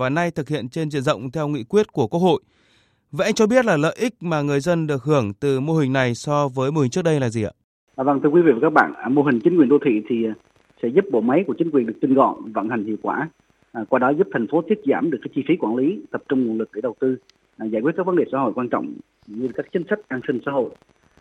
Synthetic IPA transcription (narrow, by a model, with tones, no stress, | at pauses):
vaː˨˩na˧jt̪ʰɨ˨˩k̚hḭ˧˨ənt͡ɕe˧nzḭ˧˨ənzə̰˧˨wŋ͡mt̪ʰɛ˧wŋḭ˧˨kwi˦˥ət̚ku˧˩əku˦˥ho̰˧˨j | va˨ʔa˧jŋ̟t͡ɕɔ˧ɓi˦˥ət̚laː˨˩lə̰ː˧˨jʔï˦˥k̟̚maː˨˩ŋɨ˨˩əjzə˧nɗɨ˨˩ək̚hɨ˧˩əŋt̪ɨ˨˩mo˧hï˨˩ŋ̟na˨˩jsɔ˧vəː˨˦jmo˧˩ï̟˨˩t͡ɕɨ˦˥ək̚ɗə˧jlaː˨˩zi˨˩ʔə̰ː˧˩˨ | və˧˩ŋt̪ʰɨ˧əkwi˨˦vḭ˧˨və˨˩kaː˦˥k̚ɓa̰ː˧˨n˨˩mo˧ɦï˨˩ŋ̟t͡ɕï˨˦ŋ̟kwənɗo˧t̪ʰḭ˧˨t̪ʰi˨˩˨ | sɛ̰˧˥zu˦˥p̚ɓo̰˧˨ma˨˦jku˧˩ət͡ɕi˨˦ŋkwi˨˩ənɗɨ˨˩ək̚t̪i˧ŋɣɔ̰˧˨nvə̰˧˨nha˨˩jŋ̟hḭ˧˨əwkwaː˧˩˨ | kwaː˧ɗɔ˨˦zu˦˥p̚t̪ʰa˨˩jŋfo˨˦t̪ʰi˦˥ət̚zaː˧˩mɗɨ˨˩əkːa˨˦t͡ɕi˧fi˨˦kwaː˧˩nli˨˦t̪ə˨˩p̚t͡ɕʊ˧ŋ͡mŋ˨˩ənlɨ˨˩k̚ɗe˧˩ɗə˨˩wt̪ɨ˧˨˩ | zaː˧˩kwt̚kːaː˦˥kvə˨˦nɗe˨˩sa̰ː˧˦ɦo̰˧˨jkwaː˧nt͡ɕɔ̰˧˨wŋ͡m | ɲɨ˧kaː˦˥k̚t͡ɕi˨˦ŋ̟sa˦˥jk̟̚ʔaː˧nsi˧ŋ̟sa̰ː˧˥ɦo̰˧˨j